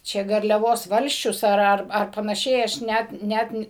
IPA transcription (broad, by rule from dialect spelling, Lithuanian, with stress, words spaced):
ˈt͡ʃʲɛ ɡɐrʲlʲɛˈʋoːs ˈʋɐlʲsʲt͡ʃʲʊs ˈɐr ˈɐr ɐr pɐnɐˈʃʲɛɪ ˈɐʃ ˈnʲæt ˈnʲæt nʲɪ